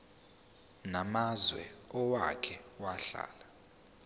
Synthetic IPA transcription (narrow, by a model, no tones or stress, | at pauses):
namazwɛ̰ɔwakʰɛwaɬa̰ːla